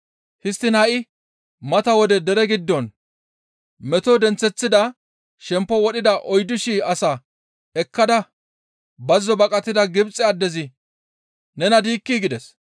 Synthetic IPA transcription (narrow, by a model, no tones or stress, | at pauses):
hɪst̪ːɪnhɐʔɪ | mɐt̪ɐwɔd̪ɛd̪ɛɾɛɡɪd̪ːɔn | mɛt̪ɔd̪ɛnt͡sːɛt͡sːɪd̪ɐ | ʃɛmpːɔwɔɗɪd̪ɐʔɔjd̪ɪʃiːɐsɐ | ɛkːɐd̪ɐ | bɐzːɔbɐkʼɐt̪ːɪd̪ɐɡɪbt͡sʼːɛɐd̪ːɛzɪ | nɛnɐd̪iːkːiːɡɪd̪ɛs